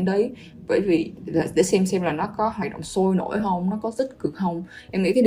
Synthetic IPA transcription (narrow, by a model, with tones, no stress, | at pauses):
nɗə˨˦j | ɓə̰ː˧˩jvi˨˩laː˨˩ɗḛ˧˩sɛ˧msɛ˧mlaː˨˩nɔ˨˦kɔ˨˦ɦwaː˨˩jɗə̰˧˨wŋ͡mso˧jno̰˧˩jɦə˧wŋ͡mnɔ˨˦kɔ˨˦zə˦˥t̚kɨ˨˩ək̚hə˧wŋ͡m | ʔɛ˧mŋḭ˧˥t̪ʰə˨˦